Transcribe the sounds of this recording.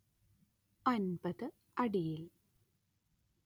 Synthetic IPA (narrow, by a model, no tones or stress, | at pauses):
ɐnbɐðɨ | ɐɽijil